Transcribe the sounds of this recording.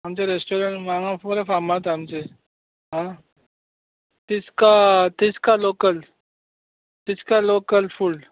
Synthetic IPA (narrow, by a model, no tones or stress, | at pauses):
ɦɐmt͡ʃeɾesʈoːɾəɳʈmãːŋãfoːɾefaːmat̪aɦɐmt͡ʃe | ɦã | t̪ɪskat̪ɪskaloːkəl | t̪ɪskaloːkəlfʰuɖ